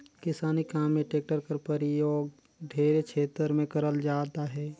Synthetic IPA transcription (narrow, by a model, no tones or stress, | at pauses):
kɪsaːnikaːmːẽʈeːk̚ʈəɾkəɾpəɾɪjoːɡ̚ | ɖʱeːɾekʰeːt̪əɾmẽkɐɾəld͡ʒaːt̪aɦɛː